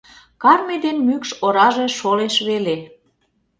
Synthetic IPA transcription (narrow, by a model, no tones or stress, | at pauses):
kɑrmed̪enmykʃoɾɑʒeʃoleʃβele